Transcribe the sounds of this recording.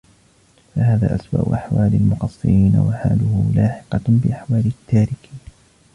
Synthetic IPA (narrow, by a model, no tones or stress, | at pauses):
fahaːða̰ːʔasba̰ːʔʊ̰ʔaħwaːlalmʊqɑsˤːɨ̰ɾiːna̰waħa̰ːlʊhʊlaːħɪ̥qɑbɪʔaħwaːlɪt̪ʰːaːɾɪkiːn